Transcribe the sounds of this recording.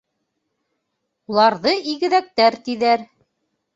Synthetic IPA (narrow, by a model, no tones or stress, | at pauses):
ulˠɑɾðɤʔiɡɘ̆ðæk̚t̪æɾt̪iðæɾ